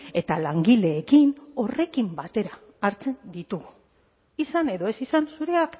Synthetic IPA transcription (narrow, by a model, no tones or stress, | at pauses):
e̞t̪alaŋɡile̞ːkino̞re̞kimbat̪e̞ɾaː | ɾt͡se̞nd̪it̪uɣu | isane̞ðo̞esisansuɾe̞ak